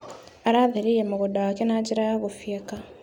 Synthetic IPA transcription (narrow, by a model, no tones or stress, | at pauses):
aɾaðiɾijemuɣudawakenaɟiɾajaɣufjeka